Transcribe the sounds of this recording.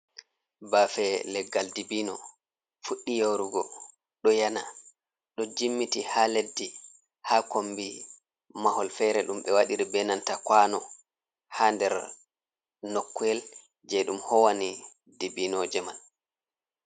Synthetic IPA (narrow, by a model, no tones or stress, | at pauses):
baːfɛlɛɡːaldibiːnɔ | fuɗːijawɾuɡɔ | ɗɔjana̰ | ɗɔd͡ʒimːitihaledːi | haːkombi | mahɔlfɛɾɛɗumɓɛwaɗiɾibɛnantakwaːnɔ | haːndɛɾ | nɔkːɛl | d͡ʒɛɗumhɔwani | dibinɔd͡ʒɛman